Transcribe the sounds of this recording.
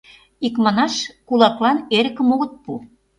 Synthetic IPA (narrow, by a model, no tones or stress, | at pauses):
ikmɑnɑʃkulɑklɑneɾə̆kə̆moɣə̆t̪̚pu